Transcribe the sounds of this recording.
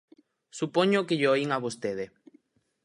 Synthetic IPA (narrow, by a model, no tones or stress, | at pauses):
supoɲokeʎoiŋaβost̪eðe